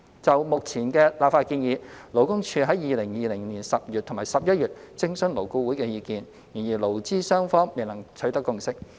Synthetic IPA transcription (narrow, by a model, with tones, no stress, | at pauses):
t͡sɐ˨wmʊ˨k̚t͡sʰiː˨˩nkɛː˧laː˨p̚faː˧t̚kiː˧njiː˨˥lo˨˩wkʊ˥ŋt͡ʃʰyː˧ɦɐ˨˥jiː˨˧lɪ˨˩ŋjiː˨˧lɪ˨˩ŋniː˨˩nsɐ˨p̚jyː˨t̪ʰʊ˨˩ŋmaː˨˩jsɐ˨p̚jɐ˥t̚jyː˨t̚t͡sɪ˥ŋsnlo˨˩wku˧wuː˨˥jkɛː˧jiː˧kiː˨n | jiː˨˩njiː˨˩lo˨˩wt͡siː˥sœː˥ŋfɔː˥ŋme˨˩lɐ˨˩ŋt͡ʃʰɵ˨˥t̪ɐ˥kːʊ˧ŋsɪ˥k̚